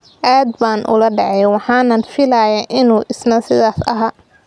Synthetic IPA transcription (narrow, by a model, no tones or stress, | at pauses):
ʔaːd̪̚baːnʔʊ̰lɐɖɛʕɛjwɑħɑːnɐnfɪlaːjaʔɪnuːʔɪsnɐsɪðaːsɐ̰ɦaː